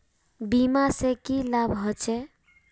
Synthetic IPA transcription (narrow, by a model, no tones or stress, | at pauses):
bimasekilabʱɦɔt͡ʃʰɛ